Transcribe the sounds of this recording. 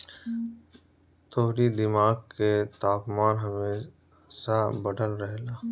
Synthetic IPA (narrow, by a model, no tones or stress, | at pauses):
t̪oːɦɾid̪ɪmaːɡ̚ket̪aːpmaːnɦɐmeː | ʃabɐɖʱəlɾɛɦlaː